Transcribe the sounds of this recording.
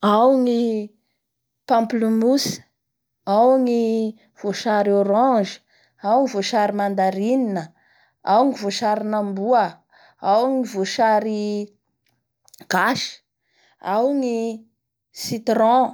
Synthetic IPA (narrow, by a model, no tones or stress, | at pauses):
awŋi | pãmplumus | awŋi | v̥oʃaɾioɾɑ̃ʒi̥ | awŋivoʃaɾimand̪aɾininə | awŋivoʃaɾinambuə | awŋivoʃaɾi | ɡ̥aʃi̥ | awŋi | sit̪rɔ̃